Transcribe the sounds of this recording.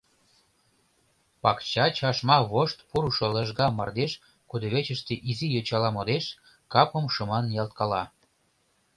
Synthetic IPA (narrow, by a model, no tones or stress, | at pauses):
pɑkt͡ɕɑt͡ɕɑʃmɑβoʃt̪̚puɾuʃoləʒɣɑmɑrd̪eʃ | kud̪ə̆βet͡ɕə̆ʃt̪eʔizijot͡ɕɑlɑmod̪eʃ | kɑpə̆mʃomɑnjɑlt̪̚kɑlɑ